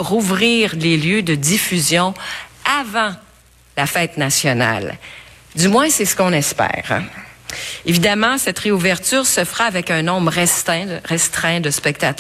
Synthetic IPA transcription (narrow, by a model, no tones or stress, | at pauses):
ʁuvʁiːʁleljød̪əd̪ifyzjɔ̃avɑ̃ | lafɛt̪nasjɔna̰l | d̪ymwɛ̃sɛsə̥kɔ̃nɛspɛ̰ːʁ | evid̪amɑ̃sɛt̪ʁeuvɛʁt̪yːʁsəfʁaːvɛkœ̃nɔ̃mʁɛst̪ɛ̃ʁɛst̪χɛ̃d̪əspɛk̚t̪at̪